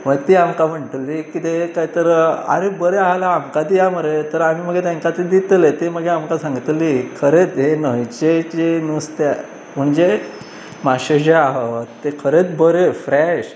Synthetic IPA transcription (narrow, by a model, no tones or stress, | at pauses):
ʋəɡt̪iːamkam̤əɳʈlikit̪ekaɦit̪əɾəa̰ɾebəɾeaɦlaːmkad̪ijaməɾet̪əɾam̤iːm̤əɡʱet̪ẽŋkat̪ed̪it̪let̪em̤əɡʱeamkasãŋɡit̪likʰəɾet͡s̪ɦenəɦit͡ɕet͡ɕenust̪e | m̤əɳd͡ʑe | maɕəd͡ʑeaɦet̪ekʰəɾet͡s̪bəɾefɾɛɕ